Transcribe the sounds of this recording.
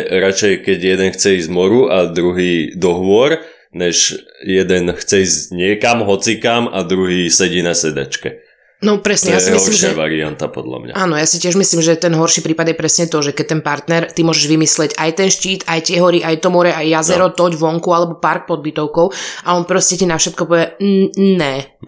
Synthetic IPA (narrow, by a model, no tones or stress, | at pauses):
ɾat͡ʃɛjkɛɟjɛd̪ɛnxt͡sɛizmɔɾuʔad̪ɾuɦiːd̪ɔɦʋʊɔɾ | ɲɛʒjɛd̪ɛnxt͡sɛizɲɪɛkamɦɔt͡sikamad̪ɾuɦiːsɛɟinasɛd̪a̰t͡ʃkɛ | nɔpɾɛsɲɛjasɛimɦiɔɾlimʃɪaʋa̰ɾia̰nt̪a̰pɔ̰d̪la̰mɲa̰aːnɔjasicɪɛʒmisliːmʒɛt̪ɛnɦɔɾʃiːpɾiːpad̪jɛpɾɛsɲɛt̪ɔʒɛkɛc̚t̪ɛnpaɾt̪nɛɾt̪imʊɔʒɛʒʋimislɛɟajt̪ɛnʃciːt̪ajt̪ɪɛɦɔɾiʔajt̪ɔmɔɾɛʔajjazɛɾɔt̪ɔɟʋɔŋkualɛbɔpaɾk̚pɔd̪̚bit̪ɔʊkɔʊaɔnpɾɔscɛcinafʃɛt̪kɔpɔʋjɛnɛ